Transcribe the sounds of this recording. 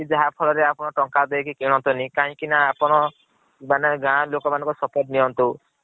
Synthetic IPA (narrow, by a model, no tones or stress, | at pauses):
kid͡ʒaɦapʰɔlɔɾeapɔɽ̃ɔʈɔŋkad̪ejkikiɽ̃ɔ̃nt̪ɔnikaɦĩkinaːpɔɽ̃ɔ | maneɡãlokɔmanɔ̃ŋkɔsɔpɔʈ̚niɔnt̪u